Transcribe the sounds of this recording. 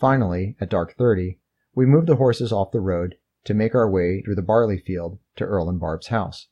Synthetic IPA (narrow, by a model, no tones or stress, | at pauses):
fãɪ̃nl̩ˠiɨt̚d̥ɑɹk̚θɜ˞ɾi | wimuvðəɦɔɹsɨzɔfðəɹoʊd̚ | tʰɨmeɪkaʊə˞weɪθɹʉðəbɑɹlˠifilˠd̚tʰɨ̰ʔɜ˞lˠə̃nbɑ̰ɹbz̥haʊs